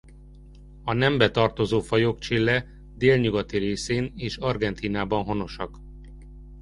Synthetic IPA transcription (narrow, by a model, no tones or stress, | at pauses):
ɒnɛmbɛt̪ɒrt̪o̞zoːfɒjokt͡ʃilːɛ | d̪eːlɲuɡɒt̪iɾeːseːneːʃɒrɡɛnt̪iːnaːbɒnɦo̞no̞ʃɒk